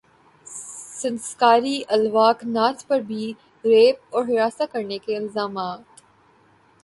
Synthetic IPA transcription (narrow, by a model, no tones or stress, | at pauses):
sɐnskaːɾiʔɐlʋaːknaːspɐɾbʱi | ɾeːp̚ɔːɾɦɪɾaːsakɐɾnekeɪlzaːmaːt̪